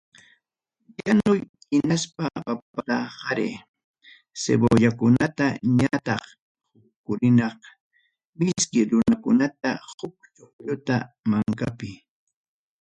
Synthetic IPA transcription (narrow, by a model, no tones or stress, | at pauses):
janʊj | ɪnaspapapahɑɾḛː | sḛboʎakʊnat̪aɲat̪ɑχ | hʊ | kʊɾɪnɑq | mɪskɪɾʊnakʊnat̪ahʊk̚t͡ʃoχʎʊt̪a̰ | maŋkapɪ